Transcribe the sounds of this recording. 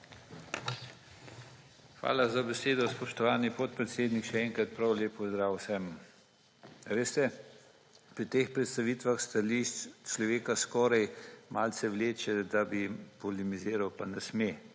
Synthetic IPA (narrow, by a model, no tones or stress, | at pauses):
xʋa̰ːlazabɛseːd̪ɔspɔʃt̪ɔʋaːnipɔt̪̚pɾɛt̪seːd̪nikʃɛɛŋkɾat̪̚pɾawleːpɔzd̪ɾaːwsɛm | ʋeːst̪ɛ | pɾit̪eːxpɾɛt̪st̪aʋiːt̪ʋaxst̪alit͡ʃlɔʋeːkaskɔːɾajmʔaːlt̪sɛʋleːt͡ʃɛd̪abipɔlimiziːɾawpanɛsme